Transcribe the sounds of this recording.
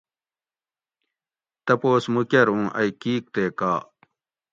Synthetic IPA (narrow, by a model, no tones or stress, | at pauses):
t̪ɐpoːsmukɐɾũːʔɐ̰jkiːk̚t̪eːkaː